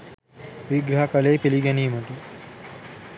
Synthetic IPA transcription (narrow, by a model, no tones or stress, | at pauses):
ʋiɡɾɐɦɐkɐlejpiliɡæniːməʈu